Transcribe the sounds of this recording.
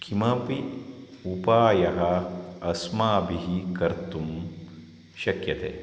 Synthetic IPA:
kʰimɐpiupaːjɐɦɐɐsmaːbiɦikɐɾt̪um | ʃɐkjɐt̪ḛː

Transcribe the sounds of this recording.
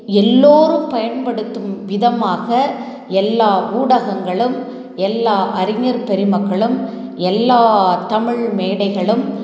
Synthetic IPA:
ɛlːoːɾɯmpɐjɐnpɐɽɯt̪ːɯmʋɪðɐmaːɣɐ | ɛlːaːʔuːɽɐɣɐŋɡɐɭɯm | ɛlːaːʔɐɾɪŋɐɾpɛɾɪmɐkːɐɭɯm | ɛlːaːt̪ɐmɪɭmeːɽɐɪɣɐɭɯm

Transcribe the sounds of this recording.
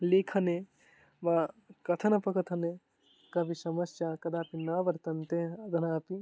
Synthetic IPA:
likʰɐne | ʋakɐt̪ʰɐnɐpɐkɐt̪ʰɐne | kɐbʱisɐmɐsjaːkɐd̪aːpinaːʋɐɾt̪ɐnt̪eɐd̪ʱɐnaːpi

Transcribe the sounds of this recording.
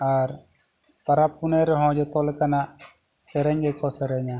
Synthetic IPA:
aɾ | pɐɾapːunɛɾɦɔ̃d͡ʒɔt̪ɔlkanaʔ | sɛɾɛɲɡɛkɔsɛɾɛɲa

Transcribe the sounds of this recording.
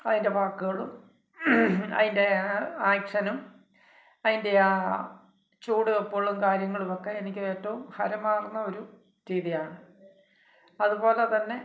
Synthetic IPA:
ɐðinde̞ʋaːkːuɣɐɭum | ɐ̰ðinde̞aːjkʂɐnum | ɐðinde̞ | t͡ɕuːɽuɐpːo̞ːɭumkaːɾjɐŋːɐɭumo̞kːe̞ːnikʲːɨʋeːʈːɐʋumhɐɾɐmaːrunːɐo̞ɾu | ɾiðijaːɳɨ | ɐðubo̞ːle̞t̪ɐnːe̞

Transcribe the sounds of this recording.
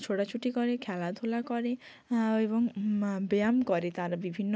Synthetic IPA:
t͡ʃʰoɽat͡ʃʰuʈikɔɾekʰalad̪ʱolakɔɾe | ebɔŋbeamkɔɾet̪aɾɔbibʱinːɔ

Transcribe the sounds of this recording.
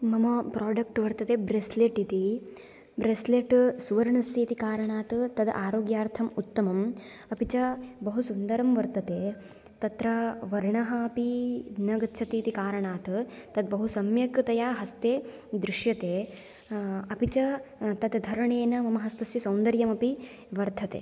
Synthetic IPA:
mɐmɐpɾaːɖɐk̚ʈʋɐɾt̪ɐt̪eːbɾesleʈit̪i | bɾesleːʈsuʋɐɾɐɳɐsjeːt̪ikaːɾɐɳaːt̪t̪ɐd̪ʔaːɾoːɡjaːɾt̪ʰɐmut̪ːɐmɐm | ɐpit͡ʃɐbɐɦusund̪ɐɾɐmʋɐɾt̪ɐt̪eː | t̪ɐt̪ɾɐʋɐɾɳɐɦɐːpinɐɡɐʃʰɐt̪iːt̪ikaːɾɐɳaːt̪t̪ɐd̪̚bɐɦusɐmjɐkɾt̪ɐjaːɦɐst̪eːd̪ɾɪʂjɐt̪eː | ɐpit͡ʃɐt̪ɐd̪d̪ʱɐɾɐɳeːnɐmɐmɐɦɐst̪ɐsjɐsɐwnd̪ɐɾjɐmɐpi | ʋɐɾd̪ʱɐt̪ḛː

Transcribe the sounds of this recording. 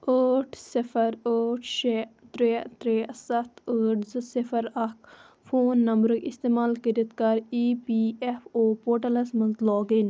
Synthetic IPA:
əːʈʰsifɐɾəːʈʰʃet̪ɾeːt̪ɾeːsɐt̪ʰəːʈzɨsifɐɾɐk | fʰoːnːɐmbɾɨkist̪eːmaːlkəɾit̪kɐɾiːpiːefoːpoːʈɐlɐsmɐnzlɔːɡin

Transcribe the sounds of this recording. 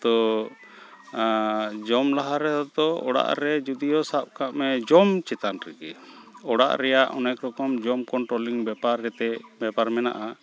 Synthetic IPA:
t̪ɔ | d͡ʒɔmlaɦaɾɛd̪ɔd̪ɔɔɽa̰ʔɾɛd͡ʒud̪ijɔsap̚kʰaʔmɛd͡ʒɔmt͡ʃɛt̪anɾɛɡɛɔɽa̰ʔɾɛjaʔɔnɛkɾɔkɔmd͡ʒɔmkɔɳʈɾɔliŋbɛpaɾɛt̪ɛbɛpaɾmɛna̰ʔa

